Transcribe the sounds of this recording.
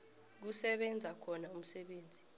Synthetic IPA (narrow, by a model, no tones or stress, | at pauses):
k̬usɛɓɛnd͡zʱakʰɔnaum̩sɛɓeːnd͡zʱi